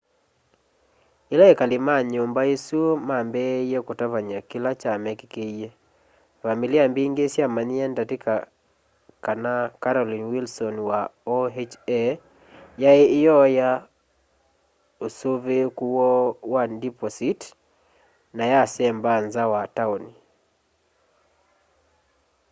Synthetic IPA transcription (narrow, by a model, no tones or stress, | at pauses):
ilaekalimaɲombaesuomambɛjɛkotavaɲakilat͡ʃamɛkikeie | familiambiːŋɡesjamaniandateka | kanakaɾɔlinwilsɔnwaɔet͡ʃɛ | jaeːjɔja | osovekuwɔwadipɔsit | najasɛmbanzawataoni